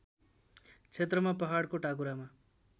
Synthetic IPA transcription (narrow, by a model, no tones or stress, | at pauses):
t͡sʰet̪rʌmapʌɦaɽkoʈakuɾama